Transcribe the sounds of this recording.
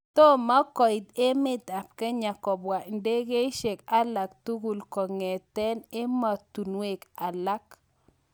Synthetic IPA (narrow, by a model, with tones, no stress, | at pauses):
t̪ɔ˦ma˦kɔ˨i˨d̪e˦mɪ˦t̪a˨p̚kɛ˦ɲa˨kɔ˨bwa˨nde˦ɡe˦ʃe˨ka˦la˨k̚t̪u˦ɡu˨lkɔ˨ŋɛ˨t̪ɛ˦ne˦ma˨t̪u˨nwe˨ka˨la˦k